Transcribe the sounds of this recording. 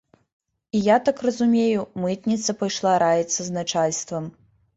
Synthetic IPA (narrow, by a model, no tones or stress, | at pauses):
ijat̪akrɐzumʲejumɨt̪nʲit̪sɐpɐjʂlˠaɾajɛt̪sːɐznat͡ʂalʲst̪vɐm